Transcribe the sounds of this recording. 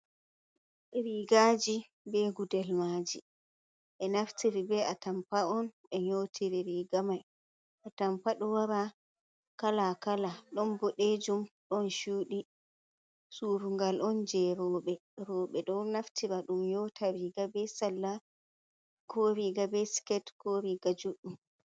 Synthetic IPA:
ɛɾiɡad͡ʒi | bɛɡudɛlmaːd͡ʒi | ʔɛnaftʰiɾibɛatampaɔn | ɛɲotʰiɾiɾiɡamaj | ʔatampaɗɔwaɾa | kalakalaɗɔnbɔɗed͡ʒumɗɔnʃuːɗi | suːɾuŋɡalʔɔnd͡ʒɛɾɔːɓɛɾɔːɓɛɗɔnaftʰiɾaɗumjɔtʰaɾiɡabɛsalːa | kʰoɾiɡabɛskɛtkoɾiɡad͡ʒuɗːum

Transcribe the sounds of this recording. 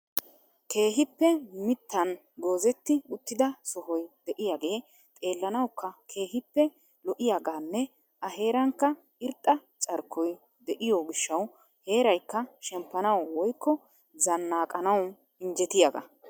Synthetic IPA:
kʰe̞ːɦɪpːɛmɪt̪ːɐn | ɡ̪o̞ːzɛt̪ːɪʊt̪ːɪd̪ɐsɔɦɔjd̪ɛʔɪjaːɡe̞ː | t̪ʼe̞ːlːɐnɐwkʰːɐkʰe̞ːɦɪpːɛ | lɔʔɪjaːɡaːnːɛ | ʔɐɦe̞ːɾɐŋkːɐ | ɪɾt̪ʼːɐ | t͡ʃʼɐɾkʰːɔj | d̪ɛʔɪjɔɡɪʃːɐw | he̞ːɾɐjkːɐʃɛmpːɐnɐwwɔjkːɔ | zɐnːaːkʼɐnɐw | ɪɲd͡ʒɛt̪ɪjaɡɐ̰

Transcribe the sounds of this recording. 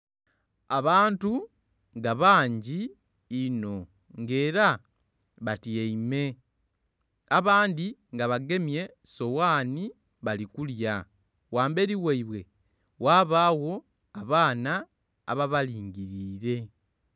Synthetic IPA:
aβaːntu | ŋɡaβaːɲɟiː | no̞ | ŋɡe̞ːɾa | βatieime̞ | aβaːndiŋɡaβaɡe̞mje̞so̞waːni | βalikulja | waːmbe̞ɾiweiβwe̞ | waːβaːwo̞ | aβaːna̰ː | βaβaliːŋɟiɾiːɾe̞

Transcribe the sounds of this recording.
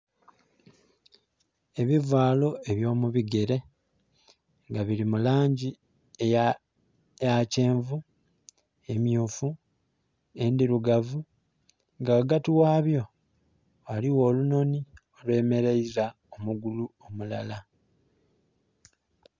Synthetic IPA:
e̞βivwaːlo̞e̞βjo̞ːmuβiɡe̞ɾe̞ | ŋɡaβiɾimulaːɲɟi | e | jace̞ːɱvu | e̞mjuːfu | e̞ndiɾuɡavu | ŋɡawɡatiwaːβjo̞ | aliwo̞ːluno̞nio̞lwe̞ːme̞ɾeiza | omuɡuluomulala

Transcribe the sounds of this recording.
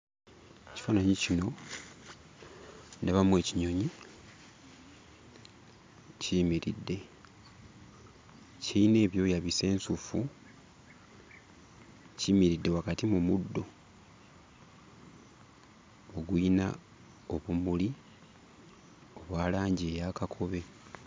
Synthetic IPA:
eci̥fanaɲicino̞ | ndaβamwe̞ːciɲo̞ɲi | ciːmiɾḭdːe̞ | ciine̞ːβjo̞ːjaβise̞ːnsufu | ciːmiɾidːe̞wakatimumudːo̞ | oɡwina̰ | o̞βumuli | o̞βwaːlaːɲɟiejakakʰo̞βe̞

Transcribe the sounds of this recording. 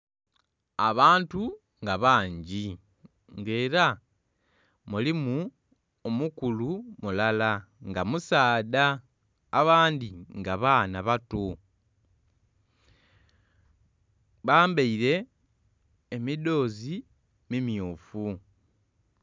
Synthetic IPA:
aβaːntu | ŋɡaβaːɲɟi | ŋɡe̞ːɾa | mulimu | omukulumulala | ŋɡamusaːdaː | βaːndiŋɡaβaːnaβato | βaːmbeiɾe̞ | mido̞ːzi | mimjuːfu

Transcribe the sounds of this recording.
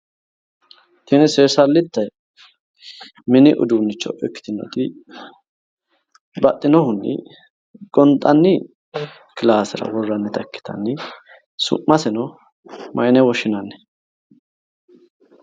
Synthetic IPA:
t̪ɪnɪseːsɐlːɪt̪ːɐj | mɪnɪʔʊ̰d̪uːnːɪt͡ʃːɔ̰ʔɛkːɪ̥t̪ɪnːɔ̰t̪ɪ | bɐt̪ʼːɪnɔhʊnːɪ̰ | ɡʼɔnt̪ʼːɐnːɪ | kɪlaːsɪɾɐ̰wɔrːɐnːɛt̪ʰɐkːɪ̥t̪ʰɐ̰nːɪ | sʊ̰ʔːɐsɛnɔ | mʔɐjnɛwɔʃɪnɐnːɛ̥

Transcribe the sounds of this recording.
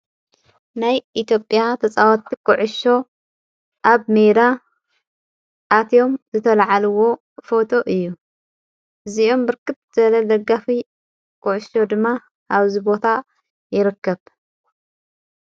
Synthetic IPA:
najʔit̪ʰjo̞pʼːjat̪ʰɐt͡sʼawɐt̪ʰːikʼʊʕʊʃo̞ | ʔaβmejd̪a | ʔːt̪ʰjo̞mzɨt̪ʰɐlʕalɨwo̞ | fo̞t̪ʰo̞ʔɨjːu | ʔɨziʔo̞mbɨɾkʰɨt̪̚z̥ɐlɐlɐɡafi | kʼʊʕʊʃo̞d̪ɨmːa | ʔaβzibo̞t̪ʰa | jɪɾɨkːɐβ

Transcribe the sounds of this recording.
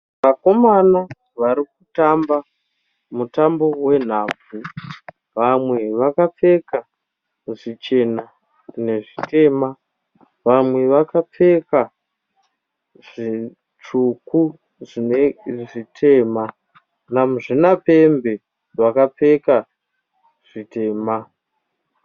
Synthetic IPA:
ʋako̞mana | ʋaɾik̚utamba | mutambo̞we̞n̤aːb͡vu | ʋamwe̞ʋakap͡fe̞ka | uʐit͡ʃe̞na | ne̞ʐite̞ma | ʋamwe̞ʋakap͡fe̞ka | ʐ̥i | t͡ʂuku | ʐineʐitʰe̞ːma | namuʐinape̞mbe̞ | ʋakap͡fe̞ka | ʐ̥ite̞ːma

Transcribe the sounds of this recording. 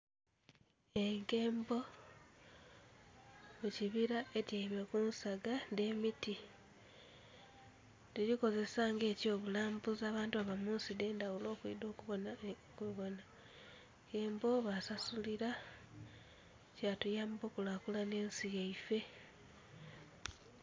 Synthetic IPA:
eŋɡe̞ːmbo̞ | muciβiɾaʔe̞tjeiβekunsaɡande̞ːmiti | tiɾiko̞ze̞saŋɡe̞ːco̞ːβulaːmbuzaːβaːntuaβamuːnside̞ːndawulo̞ːkuḭdo̞ːkuβo̞na | kuβo̞na | ŋɡeːmbo̞βasasuliɾa | catujaːmbo̞ːkulakulane̞ːnsijeife̞

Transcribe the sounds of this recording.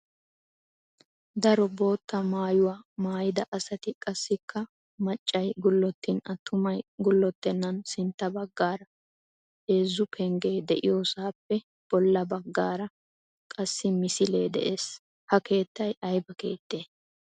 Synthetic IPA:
d̪ɐɾɔbo̞ːt̪ːɐmaːjʊwaːmaːjɪd̪ɐʔɐsɐt̪ɪkʼɐsːɪkʰːɐ | mɐt͡ʃʼːɐjɡʊlːɔt̪ːɪnɐt̪ʰːʊmɐjɡʊlːɔt̪ːɛnːɐnsɪnt̪ːɐbɐɡːaːɾɐ | e̞ːzːʊpʰɛŋɡe̞ːd̪ɛʔɪjoːsaːpːɛ | b̥ɔlːɐbɐɡːaːɾɐ | kʼɐsːɪmɪsɪleːd̪ɛ̰ʔe̞ːs | hɐke̞ːt̪ːɐjɐjbɐkeːt̪ːe̞ː

